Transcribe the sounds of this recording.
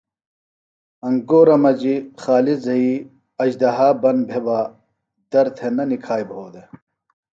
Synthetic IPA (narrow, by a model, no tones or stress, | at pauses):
ɐŋɡoːɾɐmɐd͡ʑixaːlizɐi | ɐd͡ʑd̪ɐɦaːbɐnbʱebaː | d̪ɐɾt̪ʰenɐnikʰaːjbɦoːd̪e